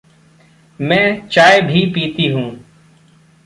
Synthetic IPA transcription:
mɛ̃ːt͡ʃaːebʱiːpiːt̪iːɦũː

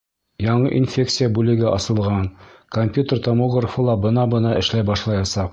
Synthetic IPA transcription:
jɒɴɤʔinfʲe̞kt̪sɨjabʉlɘ̆ɡɘʔɒ̰sɤ̆lˠʁɑnkomʲpʲjut̪ərt̪omoɡrəfɤ̆lˠɑbɤ̆nɑbɤ̆nɑʔɘ̆ʃlæjbɒʃlˠɑjɑsɑq

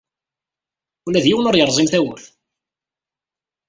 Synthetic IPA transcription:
ulæðjiwənʊɾjəɾˤzˤimθæwəɾθ

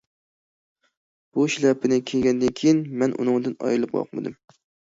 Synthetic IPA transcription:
b̥uʃilɛpʰːɪnɪkʲʰeɡʲɛnd̪ɪnkʲʰejinmɛnʔṵnɨŋd̪ɨnɑ̰jɾlˠɨp̚wɑ̰qmɨ̰d̪ɨm

